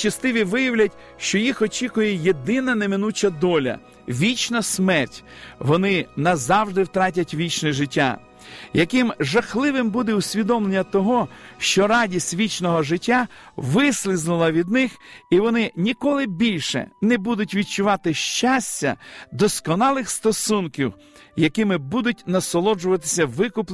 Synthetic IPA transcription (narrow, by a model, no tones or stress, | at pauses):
t͡ʃɐst̪ɪʋʲiʋɪjɐwlʲɐtʲ | ʃt͡ʃɔjixɔt͡ʃʲikʊjɛjed̪ɪnɐnemɪnut͡ʃɐd̪ɔlʲɐ̰ | ʋʲit͡ʃnɐsmɛrtʲʋɔnɪnɐzɑwʒd̪ɪwt̪ɾɑtʲɐtʲʋʲit͡ʃniʒɪtʲːa̰ | jɐkɪmʒɐxlˠɪʋɪmbud̪ɛʊsʲʋʲid̪ɔmlˠenʲːɐt̪ɔɦɔʃt͡ʃɔɾɑdʲisʲtʲʋʲit͡ʃnɔɦɔʒɪtʲːaʋɪsʲlʲˠɪznʊlˠɐʋʲid̪nɪxiʋɔnɪnʲikɔlˠɪbʲilʲʃɛ̰nɛbud̪ʊtʲʋʲid̪̚t͡ʃʊʋɑt̪ɪʃt͡ʃasʲtʲːɐ̰d̪ɔskɔnɑlˠɪxst̪ɔsunkʲiw | jɐkɪmɪbud̪ʊtʲnɐsɔlˠɔd͡ʒʊʋɐt̪ɪ̥sʲɐʋɪkʊpˠ